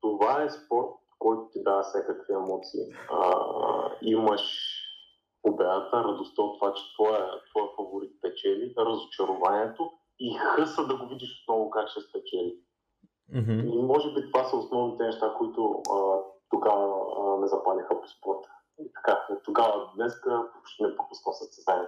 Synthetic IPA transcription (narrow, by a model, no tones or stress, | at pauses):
t̪ovaɛspɔɾt̪̚ | kɔjt̪ʊ̥t̪id̪asʲɛkəkviɛmɔt̪siːə̰ | iməʃ | obɛd̪ət̪əɾɐd̪ʊst̪əot̪ːvat͡ʃɛ̥t̪vɔjət̪vɔjəfɐvoɾit̪̚pɛt͡ʃɛliɾəzot͡ʃɐɾʊvaniɛt̪o | ixɤsəd̪ɐɡovid̪iʃo̥t̪̚nɔɡʊkat͡ʃɛst̪vɛt͡ʃɛli | imɔʒɛbit̪ovasəosnɔvnit̪ɛnɛʃt̪akoit̪ʊət̪oɡavəmɛzɐpalixəpo̥spɔɾt̪ə̥ | it̪ɐ̥kat̪oɡavəd̪nɛskəpopʃt̪ɛnɛpɾopʊsnɔsɐt̪sɛzam